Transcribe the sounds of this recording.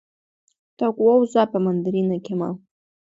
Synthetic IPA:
t̪akwowzɑpəmand̪aɾinakema̰w

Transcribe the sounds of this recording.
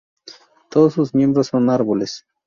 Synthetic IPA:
t̪osusmjembɾosonaɾboles

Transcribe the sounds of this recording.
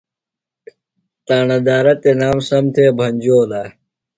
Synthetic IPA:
t̪aːnɐd̪aːɾɐt̪enaːmsɐmt̪ʰeːbʱɐnʲd͡ʑoːla

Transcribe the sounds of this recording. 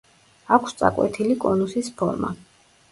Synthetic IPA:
akʰst̪sʼa̰kʼwɛ̰t̪ʰilikʼɔnusispʰɔ̰ɾma̰

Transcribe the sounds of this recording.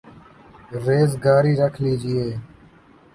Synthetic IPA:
ɾeːzɡaːɾiːɾəkʰliːd͡ʒɪeː

